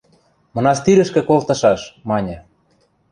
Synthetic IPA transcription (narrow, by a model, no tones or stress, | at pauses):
mɤ̆nɑʃt̪iɾɘ̆ʃkĕkolt̪ɤ̆ʃɑʃmɑnʲĕ